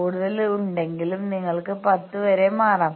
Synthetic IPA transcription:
uːɽuðɐluɳɖe̞ŋɡilumniŋːɐɭkɨpɐt̪ːɨʋɐɾe̞maːraːm

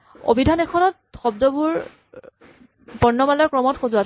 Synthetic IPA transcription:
o̰bidʱanɛkʰɔnɔt̚ | xɔbdɔbuɹ | bɔnːɔmalɔɹkɹɔmɔtxozuat

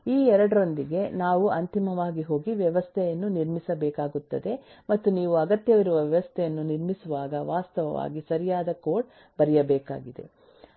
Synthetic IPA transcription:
iːɛɾɐɽɐɾo̞nd̪iɡe̞naːʋuɐnt̪imɐʋaːɡiɦo̞ːɡiʋjɛʋɐst̪ʰɛjɐnːuniɾmisɐbɛːkaːɡut̪ːɐd̪e̞ | mɐt̪ːuniːʋuɐɡɐt̪jɐʋiɾuʋɐʋjɛʋɐst̪ʰɛjɐnːuniɾmisuʋaːɡɐʋaːst̪ɐʋɐʋa̰ːɡisɐɾijaːd̪ɐkoːʈ | bɐɾijɐbɛːka̰ːɡid̪e̞̰

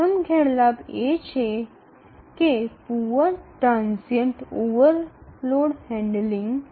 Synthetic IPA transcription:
əmɡʱɛɽlabet͡ɕʰe | kepuʋəʈɾãnsəɳʈoʋəɾloɽhɛ̃ɳɖlĩŋɡ

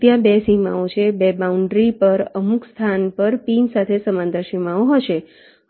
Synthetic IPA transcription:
t̪jabesima̰ot͡ʃʰebebauɳɖɾipəɾəmukst̪ʰanpəɾpinsat̪ʰesəmãnd̪əɾʃimaoɦəʃe

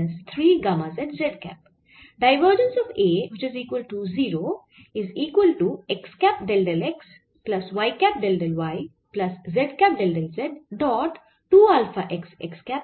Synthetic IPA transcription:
nst̪ʰɾiːɡɐmazɛɖzeɖkæ̰p̚ | ɖaɪʋəɾd͡ʒə̃nsɔʋeːʋɪt͡ʃɪziːkwəlʈuziːɾoː | ɪziːkwəlʈuekskæp̚ɖelɖeleks | plɐsʋaɪkæp̚ɖelɖelʋaɪ | plɐszeɖkæp̚ɖelɖelzeɖːɔːʈː | uːalfaʔeksḛkskæp̚

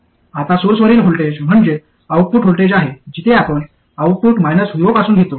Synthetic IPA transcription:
at̪asoɾsʋəɾiːlɦolʈed͡ʑm̤əɳd͡ʑe | awpuːʈɦolʈed͡ʑaɦed͡ʑit̪ʰeapəɳ | awpuːʈmajnəsɦujʋopasuːnɡʱet̪o

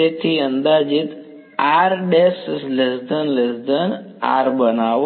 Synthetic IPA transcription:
et̪ʰiənd̪aːd͡ʒit̪ | aːɾɖessləsd̪ənləsd̪əna̰ːɾbənaːʋ

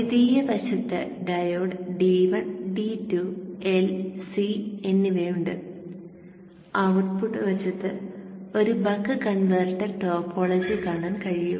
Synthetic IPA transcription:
iðijɐbɐɕɐt̪ːḛɖɐjoːɖɖiːʋɐɳɖitːuelsienːiʋeːjuɳɖɨ | ɐʋʈ̚puʈːɨʋɐt͡ɕːɐt̪ːɨo̞ɾubɐkːɨkɐɳʋɐrʈɐrʈoːpʰːoːɭɐd͡ʑikaːɳaːnkɐɻijṵm

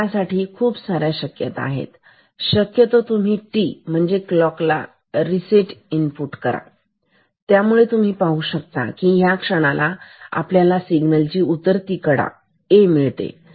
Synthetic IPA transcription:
jasaʈʰiːkʰuːpsaɾjaɕəkjət̪aa̰ɦḛt̪ | ɕəkjət̪ot̪um̤iːʈiːm̤əɳd͡zeklɔkla̰ | ɾiseʈinpuʈkəɾa̰ | t̪jamuɭet̪um̤iːpaɦuːɕək̚t̪a̰kiɦjakʂəɽ̃alaa̰pljalasiɡnəlt͡ɕiːut̪əɾt̪ikəɽa̰ | emiɭt̪ḛ

